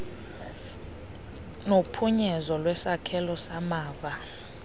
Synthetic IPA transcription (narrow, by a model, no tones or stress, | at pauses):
nopʰuɲɛzɔlwɛsakʰɛlɔsamaːva